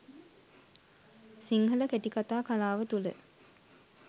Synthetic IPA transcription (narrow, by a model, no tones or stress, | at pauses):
siŋhələkeʈikat̪aːkalaːʋət̪ulə̰